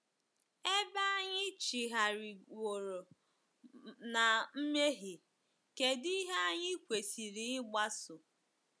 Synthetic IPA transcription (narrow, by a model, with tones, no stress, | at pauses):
e˦ba˦a˦ɲɪ˦t͡ʃi˨ɦa˨ɾɪ˨o˨ɾo˨ | na˨m̩˦me˦ɦɪ˨ | ke˨di˦ɦe˦a˦ɲɪ˦kʷe˨si˨ɾi˨ɪ˦ɡ͡ba˦sʊ˨